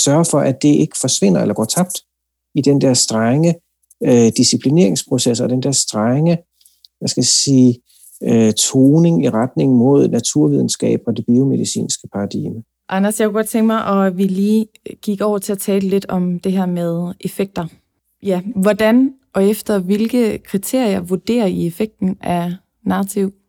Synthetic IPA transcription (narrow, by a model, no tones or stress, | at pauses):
sɶɐfɒ̽ʔæd̥e̝ʔe̝ɡ̥ə̥fɒ̽sʋe̝n̰ɐelɐɡ̥ɒ̰ːt͡sʰɑ̈b̥̚d̥ | id̥end̥ɛɐsd̥ʁaŋə | d̥isipʰline̝ɐ̰e̝ŋspʰʁo̝sesɒd̥end̥eɐsd̥ʁaŋə | ʋæsɡ̥æsiː | øt͡sʰoːne̝ŋiʁad̥ne̝ŋ̩mo̝ð̞̰ˠnæt͡sʰuɐ̰ʋið̞ˠn̩sɡ̥ɛ̰ːb̥ɒ̽d̥e̝b̥io̝me̝ð̞ˠisḭːnsɡ̥əpʰɑ̈ɑd̥ḭːmə | ʔɑnɐsjɑakʰuɡ̥ɒ̽d̥̚t͡sʰeŋɡ̥mɑɪʔɒ̽ʋiliː | ɡ̥iɡ̥ɒʊ̰ɐt͡sʰe̝æt͡sʰɛːləle̝d̥ɒ̽md̥e̝ɦæɐ̰með̞ˠʔe̝feɡ̥̚d̥ɐ | jæʋɒd̥ænʔɒ̽efd̥ɐʋe̝lɡ̥əkʰʁit͡sʰe̝ɐ̰iɐʋuɐd̥e̝̰ːɐiefeɡ̥̚d̥n̩æɐ | nɑ̈ʁɑt͡sʰiʊ̰